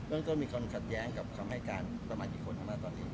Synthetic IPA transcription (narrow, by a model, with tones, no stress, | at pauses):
bɯ˥˩ŋt̪o˥˩nmiː˧kʰaː˧nkʰa˨˩t̪̚jɛː˦˥ŋka˨˩p̚kʰaː˧mha˥˩jkaː˧nsa˧maː˧˩ʔiː˨˦˩kʰo˧nʔa˧˥˩maː˥˩t̪ɔː˧nʔiː˦˥